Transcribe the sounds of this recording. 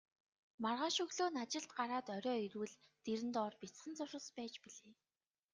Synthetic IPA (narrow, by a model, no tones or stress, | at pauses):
marʁaːʃɵɣɮoːnat͡ɕɪ̆ɬt̪ɢaɾaːt̪ɔɾʲɔːiɾuwɘ̆ɮt̪eɾɘ̆nt̪ɔːrpʲit͡sχə̆nt͡sʊʃə̆spæːt͡ɕpiɮeː